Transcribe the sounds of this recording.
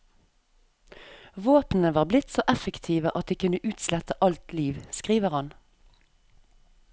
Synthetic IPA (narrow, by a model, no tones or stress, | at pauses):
ʋoːpn̩əʋɑːʁblɪt̪soːʔɛfəkt̪ʰiːʋəʔɑt̪̚d̪iːkʰʉnəʔʉːt̪slɛt̪əʔɑlt̪liːʋskʁiːʋəʁhɑn